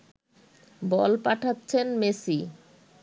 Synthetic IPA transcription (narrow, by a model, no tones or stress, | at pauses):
bɔlpaʈʰatːɕʰenmesi